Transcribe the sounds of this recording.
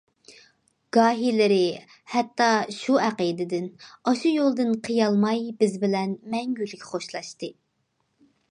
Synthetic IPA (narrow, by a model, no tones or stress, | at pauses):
ɡ̥ɑːɦilɪɾɪ | hɛt̪ːɑʃuæqid̪ɪd̪ɪnɑʃujolˠd̪ɨnqʰəjɑlˠmɑjbɪzbɪlɛnmɛŋɡʲylːɪkʲʰχoʃlˠɑʃt̪ɨ